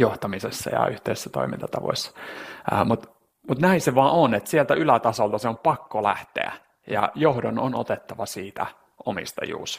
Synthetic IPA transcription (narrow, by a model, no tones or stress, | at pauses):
joht̪ɑmisesːɑ̰jɑ̰yht̪eise̥sːæt̪o̰imḭnt̪ɑt̪ɑʋo̰isːɑ̥əːmut̪ | mut̪næĩseʋɑːʔonet̪sielt̪æylæt̪ɑsolt̪ɑseompɑkːolæ̰ht̪ḛæ̰ | jɑ̰johdonono̰t̪et̪ːɑʋɑsiːt̪æ̰ | omḭst̪ɑ̰jṵːs